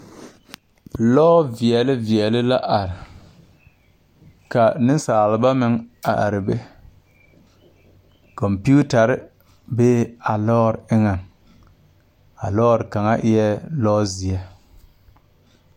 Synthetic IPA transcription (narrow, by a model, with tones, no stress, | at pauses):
lɔː˦vi˨ɛ˨lɪ˦vi˨ɛ˨lɪ˦la˦ʔa˨ɾɪ˨ | ka˨nɪ˦n˦saː˨lɪ˨ba˦mɪ˦ŋa̰˨ʔa̰˨ɾɪ˨be˦ | kɔ˨mpi˦u˦ta˨ɾɪ˦ | beː˦a˨lɔː˦ɾɪ˦ŋa˨n | a˨lɔː˦ɾka˨ŋa̰˦ʔɪ˦jɛ˦lɔː˦zi˨ɛ˦